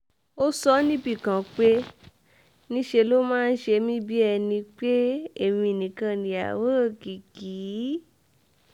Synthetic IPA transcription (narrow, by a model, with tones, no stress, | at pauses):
o˦sɔ˦nĩ˦bi˦˨kã˨k͡pe˦ | nĩ˦ʃe˧lo˦mãː˦˧n̩˦ʃe˧mĩ˦bi˦ɛ˧nĩ˧k͡pe˦e˦˨mĩ˧˨nĩ˨kã˧˨nĩ˨a̰˨wo˦˨ki˨kiː˨˦